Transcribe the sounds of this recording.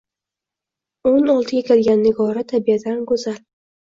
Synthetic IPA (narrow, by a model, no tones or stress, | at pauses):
onɒlˠt̪ʰɪɡʲakʲʰelɡʲanːɪɡɒɾat̪ʰabiad̪ankɵzal